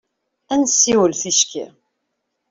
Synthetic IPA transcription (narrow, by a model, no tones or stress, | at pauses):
ænsːiwəlθiʃkḭ